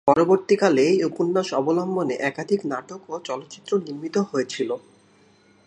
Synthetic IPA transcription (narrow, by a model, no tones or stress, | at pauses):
pɔɾoboɾt̪ikalejokunːaʃɔbolɔmboneʔɛkad̪ʱiknaʈokot͡ɕɔlot̪ːɕit̪ːɾoniɾmit̪oɦoet͡ɕʰilo